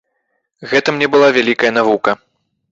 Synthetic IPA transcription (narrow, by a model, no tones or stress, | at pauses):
ɣɛt̪ɐmnʲɛbɨlˠavʲalʲikɐjɐn̪avukɐ